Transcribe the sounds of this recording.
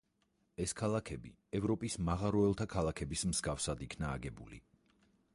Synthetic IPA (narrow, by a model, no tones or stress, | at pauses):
ɛskʰalˠakʰɛbi | ɛvɾɔpʼismaʁaɾɔɛlˠt̪ʰakʰalˠakʰɛbismz̥ɡafsad̪ikʰna̰ːɡɛbulḭ